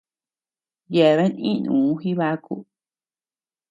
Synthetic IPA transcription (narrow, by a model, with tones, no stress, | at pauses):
je˨βe˦nḭ̃˦˧nṵ̃ː˨˦xi˦βa˦kṵ˦